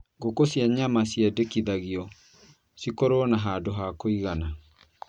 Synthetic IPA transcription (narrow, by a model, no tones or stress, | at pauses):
ɡokosiaɲamasiɛdekiðaɣiɔ | sikɔɾɔnaɦadoɦakoiɣana